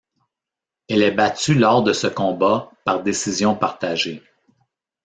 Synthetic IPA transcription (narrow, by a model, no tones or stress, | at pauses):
ɛlɛbat̪ylɔːʁd̪əsəkɔ̃ːbapaʁd̪esizjɔ̃paʁt̪aʒe